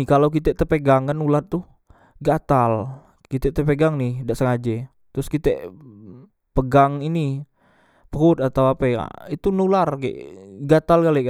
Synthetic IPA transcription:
ikalawk̬it̪ɛʔt̪əpəɡaŋkanulat̪ːu | ɡat̪al | kit̪ɛʔt̪əpəɡaŋnɪhdaʔsəŋad͡ʒɛ | t̪ɾʊskit̪ɛ̰ʔ | pəɡaŋini | pəɦʊt̪at̪awapɛa̰it̪unularkɛ̰ʔɡat̪alkalɛʔka

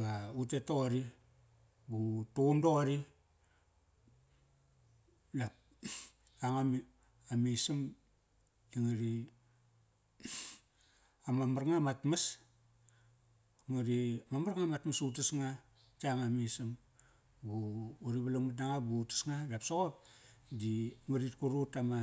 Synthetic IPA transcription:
ɡautetoaɾi | butondoaɾi | dap̚ | aŋam | amisim | iŋaɾi | amamarŋamatmas | ŋaɾimamaɾŋamatmasutusŋa | taŋamisim | buuɾiβalaŋmatnaŋabutḁsŋadapsoɣop̚diŋaɾit̚kuɾutama

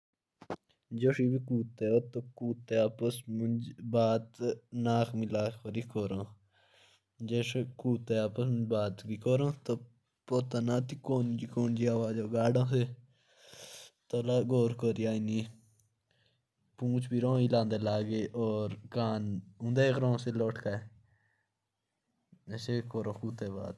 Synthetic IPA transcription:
d͡ʒoʂibikuːt̪eoːt̪okuːt̪eaːpəsmud͡ʒbaːt̪naːkmilaːkəɾikoɾõː | d͡ʒeːʃekuːt̪eaːpəsmə̃nd͡ʒbaːt̪bikoɾõːt̪o | poːt̪aːnaːt̪ikoːnd͡ʒikoːnd͡ʒiaːʋaːd͡ʒoːɡaːɖãːse | t̪olaːɡoːɾkoːɾiaːiniː | pũːt͡ʃʰbiːɾõːilãːnd̪eːlaːɡeːʔoːɾkaːnʊ̃nd̪eːkɾõːseloːʈkaːe | esekoːɾõːkuːt̪eːba̰ːt̪

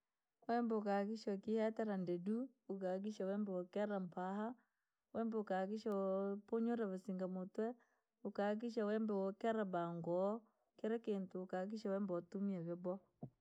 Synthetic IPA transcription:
wɛmbɛukakiʃɔkihatɛɾandedu | ukak̬iʃawɛmbɛwɔkɛɾampaha | wɛmbɛukakiʃapoɲoɾaβasiŋɡamotwɛ | ukak̬iʃ̬awɛmbɛwɔkɛɾabaŋɡɔ | keɾɛkentuːkak̬iʃawɛmbɔtumiɛβebɔ

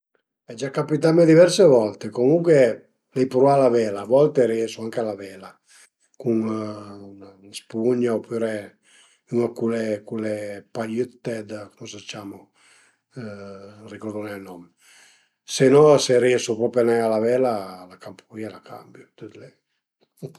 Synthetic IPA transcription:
ɛd͡ʒakːapit̪̬amed̪ivɛɾsevɔlt̪ekomuŋkwe | lɛjpɾualavɛːlaːvɔlt̪eɾiɛsuaŋkealavɛːla | kuŋunanspuɲaopʰyɾe | yŋakulekulepaʎyt̪ːɛd̪komosat͡ʃːaːmo | rikɔɾd̪uneanɔm | senɔseɾiɛsupɾɔpjanɛalavɛːlalakampuɾialakʰa̰mbjut̪ut̪lɛ

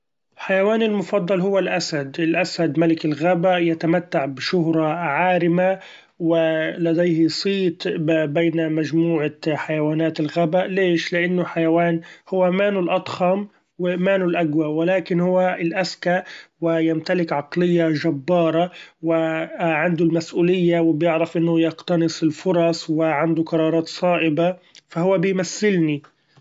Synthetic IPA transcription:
ħajawaːnɪlmʊfɑd̪ˤːɑlhʊwːalʔasad̪ɪlʔasad̪malɪkɪlɣabajat̪amat̪ːaʕbɪʃʊɦɾˤɑʕaːɾɪma | wɪlad̪ejhɪsˤiːt̪bejnamad͡ʒmuːʕaħajawaːnaːt̪ɪlɣabaʔleːʃlɪʔanːʊħajawaːnhʊwːamaːnʊlʔɑt̪ˤxɑm | wɪmaːnʊlʔaɡwawɪlaːkɪnhʊwːaɪlʔaskaʔwɪjamt̪alɪkʕɑqlɪjːaʒabːɑːɾˤɑwɪʕand̪ʊlmasʔuːlɪjːawɪbjɪʕɾɪfʔɪnːʊjɪqt̪ɑnɨsˤɪlfʊɾˤɑsˤwɪʕand̪ʊqɑɾˤɑːɾˤɑːt̪sˤɑːʔɪba | fahʊwːabɪjmaθːɪlni

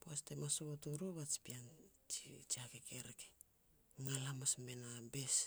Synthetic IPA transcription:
poastemasoβotuɾuβat͡ʃi̥pian | t͡ʃit͡ʃiakekʰeɾeke | ŋalamasmenabe̞s

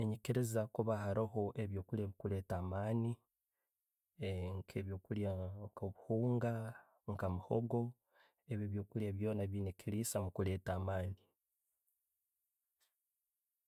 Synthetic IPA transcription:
eɲiciɾezakuβahaɾaɦo̞ʔe̞βjoːkuljemukule̞ːtaːmaːni | ŋkʰeβjo̞ːkuljakoβuhuːŋɡa | ŋkamuhoɡo̞ | eβjeβjo̞ːkuljeβjo̞ːnaβinikiliːsamukule̞ːtaːmaːni

